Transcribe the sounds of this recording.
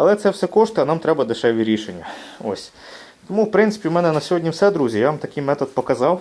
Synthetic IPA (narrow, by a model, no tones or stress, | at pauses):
ɐlˠɛt̪sɛwsɛkɔʃt̪ʊɐnɑmt̪ɾɛbɐd̪eʃɛʋʲiɾʲiʃenʲːɐo̰sʲ | t̪ɔmuwpɾɪnt̪sɪ̥pʲiwmɛnɛnɐsʲɔɦɔdʲnʲiwsɛd̪ɾuzʲijaʋamt̪ɐkɪjmɛt̪ɔd̪̚pɔkɐzɑw